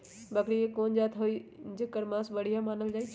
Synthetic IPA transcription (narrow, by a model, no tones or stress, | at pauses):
bɐkɽiekoːnd͡ʑaːt̪ʰɦoid͡ʑəkɐɾmãːsbɐɽ̤ijamaːnəld͡ʒaːi